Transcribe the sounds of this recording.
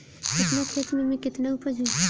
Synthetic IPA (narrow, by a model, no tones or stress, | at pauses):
kɪt̪nakʰeːt̪mɪlmẽkɪt̪naupəɾd͡ʒu